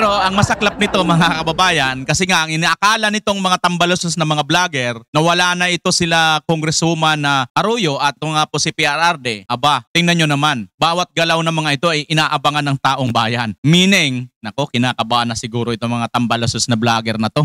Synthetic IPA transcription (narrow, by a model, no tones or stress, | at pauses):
ɾo̞ʔɐŋmɐsɐklap̚nɪt̪o̞mɐŋakɐbɐbaːjɐnkɐsɛŋaʔɐŋɪniʔɐkaːlɐnɪt̪o̞ŋmɐŋat̪ɐmbɐlososnɐmɐŋablaːɡɛɾnɐwɐlaːnɐʔɪt̪o̞sɪlakoŋɡɾɛsumɐnɐʔɐɾujo̞ʔɐt̪̚mɐŋaposɪpiaɾʔaɾd̪ɛʔɐbat̪ɪŋnɐɲɲonɐmanbaːwɐt̪̚ɡɐlawnɐmɐŋaʔɪt̪o̞ʔɐjʔɪnaːʔɐbaŋanːɐŋt̪aːʔo̞ŋbaːjanmiːnɪŋnɐko̞kɪnaːkɐbanɐsɪɡuːɾo̞ʔɪt̪oŋmɐŋat̪ɐmbɐlososnɐblaːɡɛɾnɐt̪o̞